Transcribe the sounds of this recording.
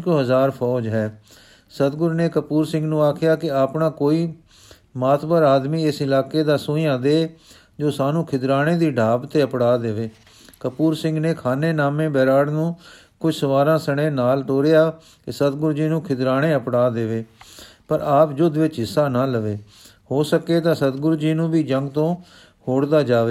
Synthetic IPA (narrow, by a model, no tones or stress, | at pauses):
kɦəzaːɾpʰɔːd͡ʒɦɛː | sət̪ɡʊɾneːkəpuːɾsɪ̃ŋɡnũːaːkʰɪjaːkɪaːpnãːkoːiː | maːt̪ʰbəɾaːd̪miːɪsɪlaːkeːd̪aːsʊ̃ːĩːãːd̪eː | d͡ʒoːsaːnũːkʰɪd̪ɾaːɽ̃ẽːd̪iːɖʱaːbt̪eːəpɽaːd̪eːʋeː | kəpuːɾsɪ̃ŋɡneːkʰaːneːnaːmẽːbɛːɾaːɽnũː | kʊd͡ʒsəʋaːɾãːsəɽ̃ẽːnaːlʈoːɾejaː | kɪsət̪ɡʊɾd͡ʒiːnũːkʰɪd̪ɾaːɽ̃eːəpɽaːd̪eːʋeːpəɾaːpd͡ʒʊd̪ʋɪt͡ʃɦɪsːaːnaːləʋeː | hoːsəkeːt̪ãːsət̪ɡʊɾd͡ʒiːnũːbiːd͡ʒəŋɡt̪õː | hoːɽd̪aːd͡ʒaːʋeː